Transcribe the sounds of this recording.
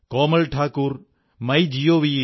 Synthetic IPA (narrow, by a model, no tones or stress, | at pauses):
koːmɐlʈʰaːkuːɾ | mɐjd͡ʒijoːʋie